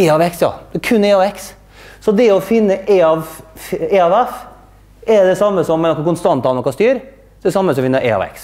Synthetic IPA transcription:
eːɑʋɛksjɑ̰ːd̪̥ɛkʰʉnːeːɑʋɛks | sɔd̪ɛɔfɪnːəʔeːɑʋeːɑʋɛf | ɛɾd̪ɛsɑmːəsɔmːɛnɔkːɑkʊnst̪ɑnt̪ɑnɔkːɑst̪yːɾ | ɛd̪ɛsɑmːəsɔɔfɪnːəʔeːɑ̰ʋɛ̰ks

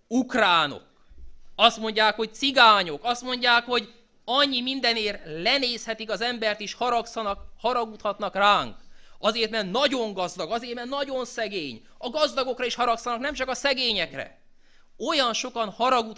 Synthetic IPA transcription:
ukraːno̰k | ɒst̪mo̞ɲɟaːkho̞c̚t̪siɡaːɲo̞kɒst̪mo̞ɲɟaːkho̞ɟ | ɒɲːimind̪ɛneːrlɛneːshɛt̪ikɒzɛmbɛrt̪iʃhɒɾɒksɒnɒkhɒɾɒɡut̪hɒt̪nɒkraːŋkɒzeːrt̪mɛrt̪nɒɟo̞ŋɡɒzd̪ɒɡɒzeːrt̪mɛrt̪nɒɟo̞nsɛɡeːɲ | ɒɡɒzd̪ɒɡo̞krɒiʃhɒɾɒksɒnɒknɛmt͡ʃɒkɒsɛɡeːɲɛkrɛ̰ | o̞jɒnʃo̞kɒnhɒɾɒɡut̪

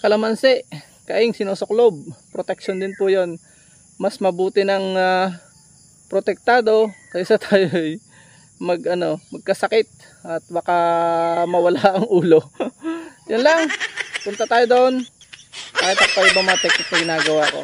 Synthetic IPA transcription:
kɐlɐmɐnsɛʔ | kɐʔɪŋsɪnuːsoklob̚pɾot̪ɛk̚ʃond̪ɪnpʊjo̞n | mɐsmɐbuːt̪ɪnɐŋa | pɾot̪ɛk̚t̪aːd̪o̞kɐʔɪsɐt̪ʰaːjoʔɐj | mɐɡʔɐno̞mɐɡ̚kɐsɐkɪt̪̚ | ʔɐt̪̚bɐkamɐwɐlaʔɐŋʔuːlo̞ | jonlɐŋpʊnt̪ɐt̪aːjod̪oʔon | paːɛt̪ɐk̚pɐʔɪbɐmaːt̪ɛk̚ɐt̪̚mɐɡɪnaːɡɐwaːko̞̰

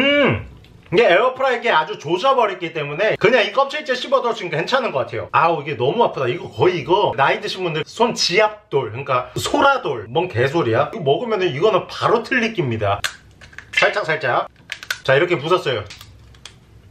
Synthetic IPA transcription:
ɯ | iɡeeʌpʰɯɾaeɡe̞ad͡ʑut͡ɕod͡ʑabʌɾet̚k͈it͈e̞mune̞kɯɲaŋik͈ʌp̚t͡ɕʰiɭt͡ɕ͈eɕʰibʌdt͡ɕʰiikhʰent͡ɕʰanɯnɡʌk͈atʰe̞jo̰aiɡe̞nʌmuapʰɯdaiɡʌkʌiːɡʌnaidɯɕʰinbundɯɾsʰont͡ɕiak̚t͈oɭkɯk͈asʰoɾadoɭmʌnke̞s̬ʰoɾiakiɡomʌɡɯmjʌnɯniɡʌnɯnpaɾotʰɯʎːik͈imɲida | sʰaɭt͡ɕ͈ʰasʰaɭt͡ɕ͈aja | t͡ɕaiɾʌkʰe̞pusʰʌs͈ʌjo

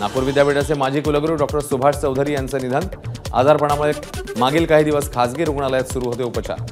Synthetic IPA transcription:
napuːɾʋid̪jabeʈasemad͡ʑʱiːkuləɡɾuɖɔkʈəɾsubʱaʂt͡səwd̪ʱəɾiːjant͡sənid̪ʱana̰d͡zaɾpəɳ̃aməɭemaɡiːlkaɦiːd̪iʋəskʰad͡zɡiɾuɡɳaləjat̪suɾuːɦot̪eupət͡ɕa̰

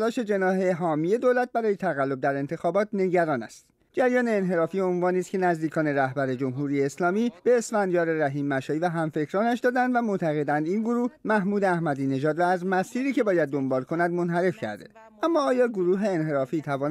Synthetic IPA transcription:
lɒːʃe̞d͡ʒe̞nɒːɦe̞ɦɒːmije̞d̪oːlæt̪̚ʰbæɾɒːje̞t̪ʰæɣælːo̞b̚d̪æɾe̞nt̪ʰe̞xɒːbɒːt̪̚ʰne̞ɟæɾɒːnæ̰st̪ | d͡ʒæɾjɒːne̞ːnɦe̞ɾɒːfiːonvɒːniːst̪kʰʲe̞næzd̪iːkʰɒːne̞ɾæhbæɾe̞d͡ʒo̞mɦuːɾijeːslɒːmiːb̥e̞ːsfænd̪ijɒːɾeɾæɦiːmːæʃɒːivæɦæmfe̞cʰɾɒːnæʃd̪ɒːd̪ænd̪væmot̪ʰæɣe̞d̪ænd̪inɡoɾuːhmæhmuːd̪eæhmæd̪iːne̞ʒɒːd̪ɾɒːæzmæsiːɾiːce̞bɒːjæd̪̚ːo̞mbɒːlkʰo̞nænd̪mo̞nɦæɾe̞fcʰæ̰ɾd̪e̞̰ | ʔæmːɒːjɒːɡoɾuːɦe̞ːnɦe̞ɾɒːfiːt̪ʰævɒː

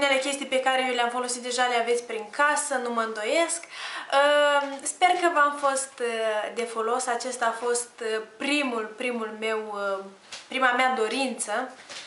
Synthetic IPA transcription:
une̞le̞kʲe̞st̪ijpe̞kaɾejewleamfo̞lo̞sit̪̚d̪e̞ʒaleavet̪sʲpɾiŋkasənuməɨnd̪o̞jeskəspe̞rkəvamfo̞st̪d̪e̞fo̞lo̞sat͡ʃe̞st̪aːfo̞st̪pɾimulpɾimulme̞w | pɾimamead̪o̞ɾint̪sə

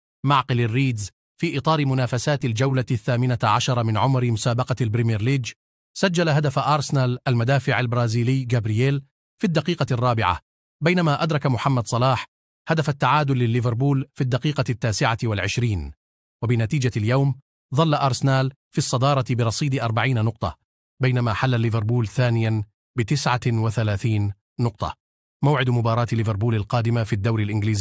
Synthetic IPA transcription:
maʕqɪlarːiːd̪z | fiːʔɨt̪ˤɑːɾɪmʊnaːfasaːt̪ɪld͡ʒawlaθːaːmɪnaʕaʃɑɾˤɑmɪnʕʊmɾɪmʊsaːbɑqɑlbɾɪmɪɾliːd͡ʒ | sad͡ʒːalaɦad̪afʔɑːɾˤsɪnaːlʔalmad̪aːfɪʕalbɾˤɑːziːlɪjːɡabɾɪjeːl | fid̪ːaɑqiːqɑrˤːɑːbɪ̰ʕa̰ | bajnamaːʔad̪ɾˤɑkamʊħamːad̪sˤɑlɑːħ | had̪afat̪ːaʕaːd̪ʊlːɪlːɪvɪɾˤbuːlfid̪ːaqiːqɑt̪ːaːsɪʕawalʕɪʃɾiːn | wabɪnat̪iːd͡ʒaljawm | ðˤɑlːaʔɑɾˤsɪnaːl | fisˤːɑd̪ɑːɾˤɑt̪bɪɾˤɑsˤiːd̪ɪʔɑɾˤbaʕiːnanʊq̚t̪ˤɑ̰ | bajnamaːħalːalːɪvɪɾˤbuːlθaːnɪja | bɪt̪ɪsʕawaθalaːθiːnː | ʊqt̪ˤɑ̰ | mawʕɪd̪mʊbɑːɾˤɑːt̪lːɪvɪɾˤbuːlalqɑːd̪ɪmafiːd̪ːawɾɪlʔɪnɡliːziː

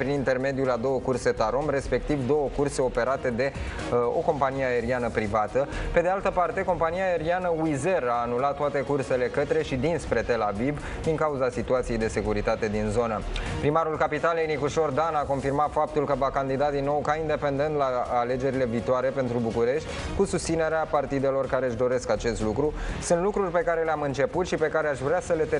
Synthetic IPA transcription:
pɾinint̪e̞rme̞d̪iulad̪o̞wəkurse̞t̪aɾo̞mre̞spe̞k̚t̪ivd̪o̞wəkurse̞o̞pe̞ɾat̪e̞d̪e̞ | o̞̰ko̞mpanijeae̞ɾianəpɾivat̪əpe̞d̪ealt̪əpart̪e̞ko̞mpanijaːe̞ɾianəuize̞raːnulat̪ːoat̪e̞kurse̞le̞kət̪ɾe̞ʃid̪inspɾe̞t̪e̞lavib | d̪iŋkauzasit̪uat̪sije̞jd̪e̞se̞kuɾit̪at̪e̞d̪inzo̞nəpɾimaɾulkapit̪alejnikuʃo̞rd̪anako̞nfirmat̪fap̚t̪ulkəvakand̪id̪ad̪inːo̞wkaind̪e̞pe̞nd̪e̞nt̪laːle̞d͡ʒe̞ɾile̞viːt̪oaɾe̞pe̞nt̪ɾubukuɾe̞ʃt̪ʲkusust̪sine̞ɾeapart̪id̪e̞lo̞rkaɾeʃ̬d̪o̞ɾe̞skat͡ʃe̞st̪lukɾusunt̪lukɾurʲpe̞kaɾe̞leamɨnt͡ʃe̞put̪ʃipe̞kaɾe̞aʃvɾeasəle̞t̪e

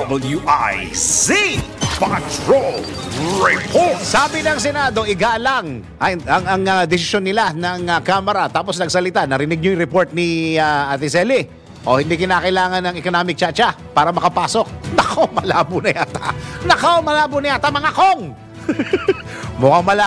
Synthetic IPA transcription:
bl̩juʔajzipɐt̪ɹol | ɹɛpʰot̪saːbɪnɐŋsɛnaːd̪o̞ʔɪɡaːlɐŋ | ʔɐɐŋɐŋɐd̪ɛsɪso̞nːɪlanɐŋɐkaːmɐɾɐt̪aːposnɐɡ̚sɐlɪt̪anɐɾɪnɪɡ̚ɲojŋɾɛpoɹt̪̚nɪaʔɐt̪ɪsɛli | ʔohɪ̃nd̪ikɪnaːkɐʔɪlaːŋɐnɐŋɛkonaːmɪk̚t͡ʃat͡ʃa | paːɾɐmɐkɐpaːso̞k̚nɐkʰomɐlaːbʊnɐjʔat̪a̰nɐkawmɐlaːbʊnɐjʔaːt̪amɐŋakoŋ | mokamɐla

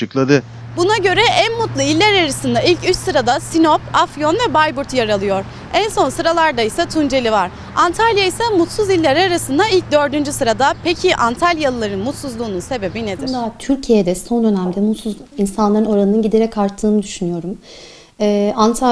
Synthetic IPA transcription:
t͡ʃɯklˠad̪ɯ | bunaɟø̞ɾɛʔænmut̪lˠuilʲːæɾaɾasɯnd̪ailʲcyt͡ʃsɯɾad̪asinopafjo̞nvɛbajbuɾt̪ʰjaɾalˠɯjo̞ɾ̥ | ænso̞nsɯɾalˠaɾd̪aisat̪ʰund͡ʒe̞lʲivaɾ | ant̪ʰalʲjaisamut̪suzilʲːæɾaɾasɯnd̪ailʲc̚d̪ø̞ɾd̪ynd͡ʒysɯɾad̪apʰecʰiʔant̪ʰalʲjalˠɯlˠaɾɯnmut̪suzlˠuːnunse̞be̞bine̞d̪iɾd̪at̪ʰyɾcʰijɛd̪ɛso̞nd̪ø̞næmd̪ɛmut̪suzinsanlˠaɾɯno̞ɾanɯnɯnɟid̪e̞ɾɛkʰaɾt̪ʰːɯːnɯd̪yʃynyjo̞ɾum | ɛːant̪ʰa

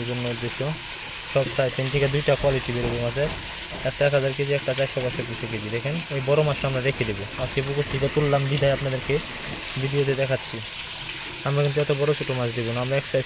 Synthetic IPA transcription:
ɾd͡ʑonːoud̪ːeʃo | ʃɔbsajsenʈʰikad̪ujʈakwaliʈibeɾebomad͡ʑaɾ | ɛk̚ʈaɛkɦad͡ʑaɾk̬ed͡ʑiɛk̚ʈat͡ɕajʃabaʃopit͡ɕʰeked͡ʑid̪ɛkʰenejbɔɾomaʃamɾad̪ekʰed̪eboad͡ʑkepukust̪ʰikat̪ulːambid̪ʱajapnad̪eɾke | bid̪iot̪̬ed̪ɛkʰatːɕʰi | amɾakint̪uɛt̪obɔɾot͡ɕʰoʈomad͡ʑd̪ebonaamɾaɛksaj

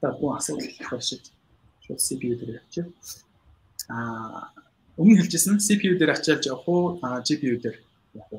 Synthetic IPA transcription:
t̪aːɡuːŋasʊːt̪ə̆ɮɮt̪ʰχɔrʃɪ̆t̪ | ʃʊ̰ːt̪sipʰiut̪eːɾiːkḁt͡ɕɪɮ | a | ɵŋiːŋxeɮt͡ɕɪ̆sə̆nsipʰiut̪eːɾat͡ɕɪːɮt͡ɕawχʊːt͡ɕipʰiut̪er | jaχʊ

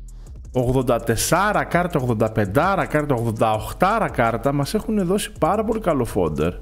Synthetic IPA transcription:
o̞ɣðo̞nd̪ɐt̪e̞sɐɾɐkɐɾt̪ɐoɣðo̞nd̪ɐpe̞nd̪ɐɾɐkɐɾt̪ɐoɣðo̞nd̪ɐoxt̪ɐɾɐkɐɾt̪ɐmɐse̞xune̞ðo̞si̥pɐɾɐpo̞likɐlo̞fo̞̰nd̪e̞̰ɾ

